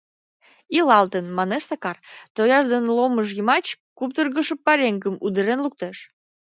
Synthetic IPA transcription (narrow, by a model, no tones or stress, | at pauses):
ilɑlt̪ənmɑneʃsɑkɑrt̪ojɑʒd̪enloməʃ̬jəmɑt͡ɕkup̚t̪ərɣəʃəpːɑɾʲeŋɡəmud̪əɾenluk̚t̪eʃ